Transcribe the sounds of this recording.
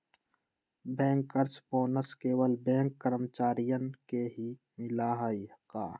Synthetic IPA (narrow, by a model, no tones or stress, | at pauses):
bɛ̃ːŋkəɾt͡ʃpoːnəskeːwəlbẽːŋkːəɾəmt͡ʃaːɾijənkeɦi | mɪlaɦəika̰ː